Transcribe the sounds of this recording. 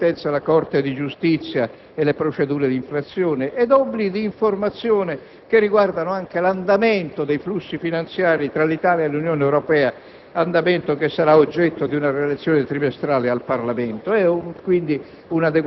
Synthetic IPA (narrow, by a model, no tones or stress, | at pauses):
t̪ɛnt̪salakɔrt̪ed̪id͡ʒust̪it̪sːja | elepɾot͡ʃed̪uːɾed̪iɱfɾat̪sːjɔːneʔɛd̪ɔbːliɡid̪iːɱformat̪sːjɔːnɪ | kerːiɡward̪anoaŋkeland̪ament̪od̪ejflusːifinant̪sjaːɾit̪ɾalit̪aːljaelːunjɔːneɛwɾopɛːa | and̪amɛnt̪okesːaɾaod͡ʒːɛt̪ːod̪iunarelet̪sːjɔːnet̪ɾimest̪ɾaːlealparlamɛnt̪oɛkwind̪i | unad̪e